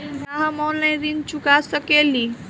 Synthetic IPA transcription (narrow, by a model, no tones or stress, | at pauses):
naɦãmɔlẽd̪int͡ʃukasəkeli